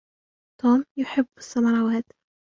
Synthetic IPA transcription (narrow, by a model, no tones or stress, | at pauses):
t̪uːmjʊħɪbːɪsːɑmɑɾˤɑːwaːt̪